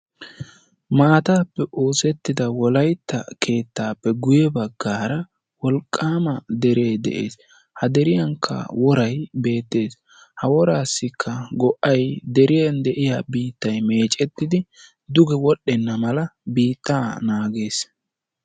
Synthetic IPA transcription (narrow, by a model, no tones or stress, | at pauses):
maːt̪aːpːɛʔo̞ːsɛt̪ːɪd̪ɐwɔlɐjt̪ːɐkʰe̞ːt̪ːaːpːɛɡʊjɛbɐɡːaːɾɐ | wɔlkʼːaːmɐd̪ɛɾe̞ːd̪ɛ̰ʔḛːs | hɐd̪ɛɾɪjɐŋkʰːɐ̰wɔɾɐjbe̞ːt̪ːe̞ːs | hɐwɔɾaːsːɪkʰːɐɡɔʔɐjd̪ɛɾɪjɐnd̪ɛʔɪjabiːt̪ːɐjme̞ːt͡ʃʼɛt̪ːɪd̪ɪ | d̪ʊɡɛwɔɗːɛnːɐmɐlɐbiːt̪ːaːnaːɡe̞ːs